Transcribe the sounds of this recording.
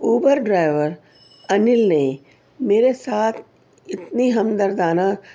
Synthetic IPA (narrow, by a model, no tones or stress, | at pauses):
uːbəɾɖɾaːɪʋəɾ | ɐnɪlne | meːɾesaːt̪ʰ | ɪt̪niɦɐmd̪əɾd̪aːna